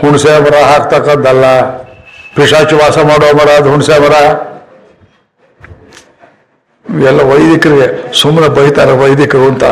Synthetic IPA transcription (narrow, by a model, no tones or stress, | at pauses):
huɳsemɐɾaɦak̚t̪akad̪ɐlːa | piʂat͡ʃiʋaːsamaɽomɐɽad̪ɦuɳsemɐɾa | ɛlːaʋɐjd̪ikɾɡesumnɐbɐɦit̪aɾeʋɐjd̪ikɾunt̪a̰